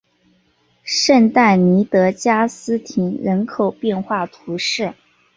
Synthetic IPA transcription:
ʂə˥˧nt̪a˥˩ɪni˧˥t̪ɤ˧˥t͡ɕja˥sɹ̩˥t̪ʰi˧˥ŋɻə˧˥nkʰo˨˩ʊpjɛ˥˧nxwa˥˩t̪ʰu˧˥ʂɻ̩˥˩

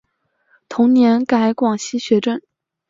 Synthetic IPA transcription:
t̪ʰʊ˧˥ŋnjɛ˧˥nka˧˩ɪkwɑ˨˩ŋɕi˥ɕɥɛ˧˥ʈ͡ʂə˥˩n

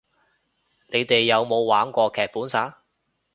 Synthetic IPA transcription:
ne˨˧jt̪e˨jːɐ˨˧wmo˨˧wːaː˨˥nkʷɔː˧kʰɛː˨k̚puː˨˥nsaː˨˥

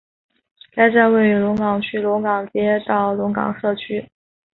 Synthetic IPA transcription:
ka˥ɪt͡sa˥˧nwe˥˩ɪy˧˥lʊ˧˥ŋkɑ˨˩ŋt͡ɕʰy˥lʊ˧˥ŋkɑ˨˩ŋt͡ɕjɛ˥t̪ɑ˥˩ʊlʊ˧˥ŋkɑ̰˨˩ŋʂɤ˥˩t͡ɕʰy˥

